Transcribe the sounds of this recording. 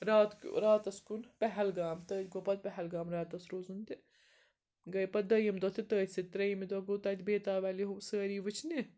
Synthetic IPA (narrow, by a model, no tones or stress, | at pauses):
ɾaːt̪kɾaːt̪ɐskunpɛɦɛlɡaːmt̪əːt̪ʲɡopɐd̪̚pɛɦɛlɡaːmɾaːt̪ɐsɾoːzunt̪i | ɡɐjpɐd̪ɐjɐmd̪ɐt̪ʰit̪əːt̪ʲsɐt̪ɾɐjɐmid̪ɐɡoːt̪ɐːt̪ʰʲbeːt̪aːʋɛːliɦusəːɾiːʋɨt͡ʃʰni